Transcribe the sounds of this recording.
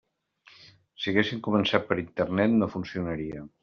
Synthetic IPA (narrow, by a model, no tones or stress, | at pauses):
siəɣesiŋkumənsat̪̚pəɾint̪ərnɛt̪nofunsiunəɾiə